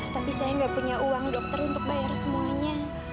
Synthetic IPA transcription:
t̪apisajaŋɡaʔpuɲaʔuwaŋdɔk̚t̪ərunt̪ʊk̚bajarsəmuaɲa

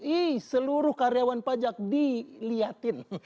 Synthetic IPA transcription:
ihsəluɾʊhkaɾijawanpad͡ʒak̚diliat̪ɪn

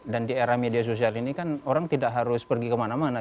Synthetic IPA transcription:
dandieɾahmedias̬os̬ialinikanoɾaŋt̪idaʔɦaɾʊspərɡikəmanamana

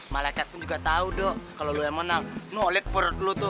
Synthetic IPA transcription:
malaikat̪̚pʊnd͡ʒuɡat̪audɔʔkaloluamənaŋnuolɛk̚pəɾɔt̪̚lot̪ʊ

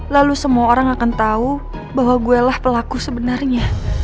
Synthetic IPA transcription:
lalusəmuaoɾaŋakant̪au | baɦwaɡuɛlahpəlakusəbənarɲa

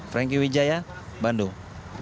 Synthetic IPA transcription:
fɾɛŋk̬iwid͡ʒajabandu

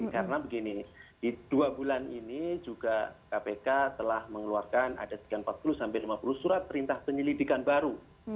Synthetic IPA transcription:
kaɾənabəɡinid̥id̥uabulaninid͡ʒuɡakapekat̪əlahməŋəluarkana̰dasə̥kianpat̪̚pulusampɛlimapuluhsuɾat̪̚pəɾint̪ahpəɲəlidikanbaɾu

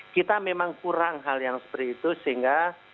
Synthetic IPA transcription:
kit̪amemaŋkuɾaŋɦaljaŋsə̥pəɾiːt̪usiŋɡa

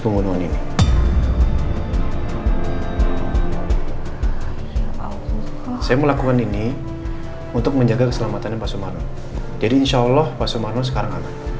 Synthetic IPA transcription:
pəŋbunuanini | sajaməlakukanini | unt̪ʊk̚məɲd͡ʒaɡakəsəlamat̪anapasomarno | d͡ʒadiːnʃaːlːɔhpasomarnos̬ə̥kaɾaŋama

